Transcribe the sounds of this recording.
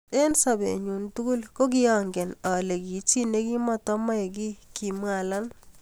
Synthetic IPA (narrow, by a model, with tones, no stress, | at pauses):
e˦nsa˨bḛ˨ɲu˨ntu˦ku˦lko˦k̬ɪ˦jɔ˨ŋɡe˨nɔ˨le˨ki˨t͡ʃi˦ne˦ki˦mɔ˦tɔ˦mɔ˦e˨ki˦ki˨mwa˨la˦n